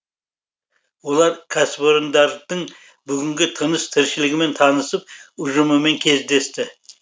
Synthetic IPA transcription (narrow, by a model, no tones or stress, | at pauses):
wo̞lˠɑɾkʰasboɾnd̪ɑɾd̪̥əɴ | bʏɡʲɪŋɡʲɪt̪ʰənəst̪ʰɪɾʃɪlɪɡʲɪme̞nt̪ʰɑnəsəp̚ʊʒʊməme̞ŋkʲʰe̞zd̪e̞st̪ɪ